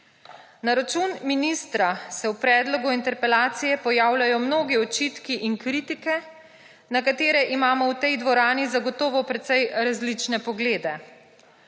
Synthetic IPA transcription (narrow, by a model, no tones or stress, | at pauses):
naɾat͡ʃunminist̪ɾasɛwpɾɛːd̪lɔɡuint̪ɛɾpɛlaːt̪sijɛpɔjaːwlʲajɔmnoːɡiɔt͡ʃit̪kiʔiŋkɾiːt̪ikɛ | nakat̪eːɾɛʔimaːmɔwt̪ɛjd̪ʋɔɾaːnizaɡɔt̪ɔːʋɔpɾɛt̪sɛjɾazlit͡ʃnɛpɔɡleːd̪ɛ